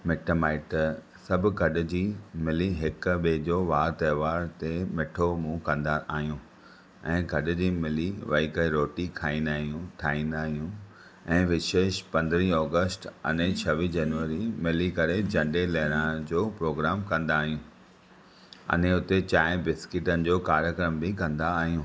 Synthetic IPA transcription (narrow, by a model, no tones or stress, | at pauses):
mɪʈəmaːɪʈ | sɐbʱɡʱɐɗʊ̆d͡ʑiːmɪliɦɪkɓed͡ʑoːʋaːɾt̪ɐːʋaːɾt̪emɪʈʰomũkɐ̃nd̪aʔaːɦijũː | ɛ̃ːɡʱɐɗʊ̆d͡ʑiːmɪliʋɐ̰ikəeɾoːʈikʰaːĩːnd̪aːɦijũʈʰaːĩːnd̪aːɦijũ | ɛ̃ːʋɪʃeːʃpɐ̃nd̪ɾiɔːɡəsʈɐ̰n̤et͡ɕʰɐʋid͡ʑɐnʋəɾimɪlikɐɾed͡ʑɐ̃ɳɖelɛɦɪɾãd͡ʑoːpɾoːɡɾaːmkɐ̃nd̪aːɦijũː | ɐ̰neʊt̪et͡ɕaːɪ̃bɪskɪʈənɪ̆d͡ʑoːkaːɾjəkɾəmbɪkɐ̃nd̪aːɦijũː